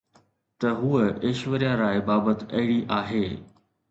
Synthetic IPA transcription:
t̪ɐɦuəeːʃʋəɾjãɾaːebaːbət̪ɐɪɽiʔaːɦeː

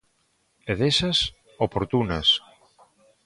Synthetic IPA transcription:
eðesɐs | opoɾt̪unɐs

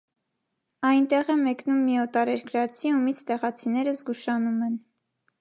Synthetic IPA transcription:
ɑjnt̪ɛʁɛmɛknumːiɔt̪ɑɾɛɾkɾɑt͡sʰiumit͡sʰt̪ɛʁɑt͡sʰinɛɾəzɡuʃɑnumɛn

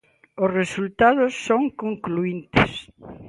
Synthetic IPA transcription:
ʊsresult̪aðʊsːoŋkoŋkluint̪ɪ̰s

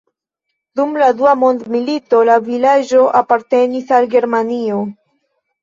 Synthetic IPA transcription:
dumladuamo̞ndmilito̞lavilad͡ʒo̞ʔapaɾte̞nisalɡe̞ɾmanio

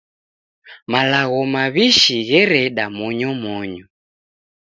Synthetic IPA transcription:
malaɣɔmaβiʃiɣɛɾɛɗamɔɲɔmɔɲɔ

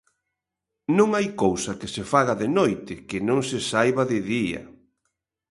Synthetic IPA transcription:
nõŋajkowsɐkɪsefaɣaðɪnojt̪ɪkɪnõŋsɪsajβaðɪðiɐ̰

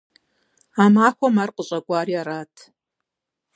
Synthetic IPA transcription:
amaːxʷɔmarqʼəɕʼɐɡʷʼaːriaɾaːtʰ

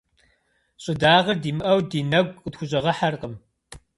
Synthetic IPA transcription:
ɕʼɪdaːʁɐrdiːmɨʔɐwdiːnɐɡʷɨtxʷʊɕʼɐʁɐħarqəm

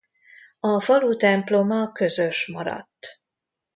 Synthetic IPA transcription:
ɒfɒluːt̪ɛmplo̞mɒkø̞zøʃmɒɾɒ̰t̪ː

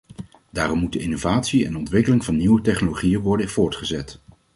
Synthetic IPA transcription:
d̥aːrɔmud̚dəɪnovaːtsiɛ̰nɔntʋɪkəlɪŋvɑnːiwətɛχnoloχijənʋɔɹdəv̥ʊːɹtχəzɛt

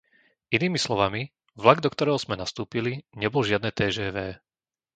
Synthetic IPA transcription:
iniːmislɔʋami | vlaɡd̪ɔkt̪ɔɾɛːɦɔz̥mɛnast̪uːpiliɲɛbɔlʒɪad̪nɛːt̪ɛːʒɛːʋɛː

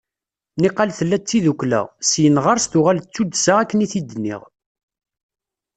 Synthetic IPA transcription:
niqːɑlθəlːæt͡sːiðuklæ̰ʁsjənʁɑɾˤst̪ʊʁælt͡sːud̪saʁækːəniθid̪ənḭʁ

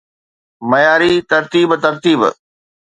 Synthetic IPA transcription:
mɐjaːɾit̪ɐɾt̪iːbt̪ɐɾt̪iːb

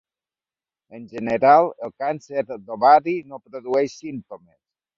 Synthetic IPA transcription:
ənʲʒəneɾalˠelˠkanseɾd̪oβaɾinopɾoðuɛʃsint̪omes

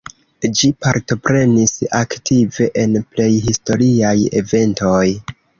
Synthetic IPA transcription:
d͡ʒipaɾto̞pɾe̞nisaktive̞ʔenple̞jɦisto̞ɾiaje̞̰ve̞nto̞j

